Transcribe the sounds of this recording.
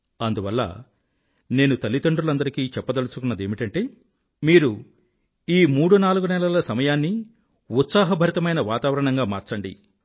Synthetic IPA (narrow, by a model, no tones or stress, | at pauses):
ɐnd̪uʋɐlːɐ̰ | ne̞ːnut̪ɐlːit̪ɐɳɖulɐnd̪ɐɾikiːt͡ʃɛpːɐd̪ɐlusukunːɐd̪e̞ːmiʈɐɳʈe̞ː | miːɾu | iːmuːɽunaːluɡunɛlɐlɐsɐmɐjaːnːi | ut̪saːɦɐbʱɐɾit̪ɐmɐjnɐʋaːt̪aːʋɐɾɐɳɐŋɡaːma̰ːɾt͡ʃɐɳɖḭ